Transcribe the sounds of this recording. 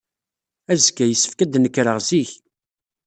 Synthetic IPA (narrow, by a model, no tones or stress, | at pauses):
æzkːæjəsːə̥fkæd̪nəkːɾəʁziç